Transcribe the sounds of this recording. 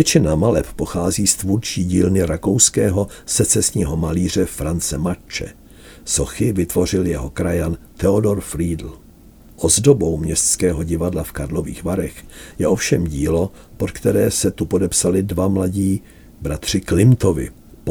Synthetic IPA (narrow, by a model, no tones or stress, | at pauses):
vjɛt͡ʃɪnamalɛppo̞xaːziːst̪vuɾt͡ʃiːɟiːlnɪɾakowskɛːɦosɛt͡sɛsɲiːɦo̞maliːr̝ɛfɾant͡sɛmat͡ʃɛ̰ | soxɪvɪt̪vo̞r̝ɪljɛɦokɾajant̪ɛodo̞ɾfɾiːdl̩ | ʔo̞zdo̞bo̞wmɲɛst̪t͡skɛːɦo̞ɟɪvadlafkadlo̞vḭːxvaɾɛxjɛʔo̞fʃɛmɟiːlo̞ | pot̪kt̪ɛɾɛːsɛt̪upo̞dɛpsalɪdvamlaɟiː | bɾat̪r̝̥ɪklɪmt̪ovɪ̰